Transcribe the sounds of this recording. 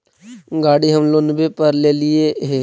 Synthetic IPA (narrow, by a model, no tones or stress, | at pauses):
ɡaːɽiɦəmlonbepəɾleːlɪeɦeː